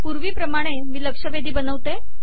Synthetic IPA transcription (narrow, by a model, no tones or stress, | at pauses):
puɾʋiːpɾəmaɽ̃emiːləkʂəʋed̪ʱiːbənəʋt̪e